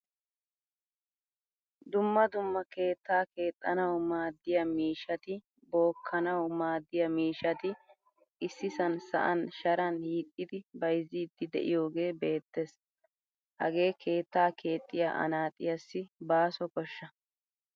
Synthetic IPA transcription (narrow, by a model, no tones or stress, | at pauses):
d̪ʊmːɐd̪ʊmːɐke̞ːt̪ːaːke̞ːt̪ʼːɐnɐwmaːd̪ːɪjɐmiːʃɐt̪ɪ | bo̞ːkʰːɐnɐwmaːd̪ːɪjɐmiːʃɐt̪ɪ | ʔɪsːɪsɐnsɐ̰ʔɐnʃɐɾɐnhiːt̪ʼːɪd̪ɪbɐjzːiːd̪ːɪd̪ɛ̰ʔɪ̰jo̞ːɡe̞ːbe̞ːt̪ːes | hɐ̰ɡe̞ːkʰe̞ːt̪ːaːkʰe̞ːt̪ʼːɪja̰ːʔɐ̰naːt̪ʼɪ̰jɐsːɪbaːsɔkɔʃːɐ